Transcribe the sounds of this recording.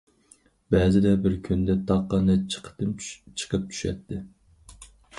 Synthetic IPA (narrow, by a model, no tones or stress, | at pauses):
bɛzɪd̪ɛbɪɾkʲʰynd̪ɛt̪ʰɑqːɑnɛt͡ʃʰqʰə̥t̪ɨmt͡ʃʰə̥qʰəp̚t͡ʃʰy̥ʃɛ̰t̪ʰːɪ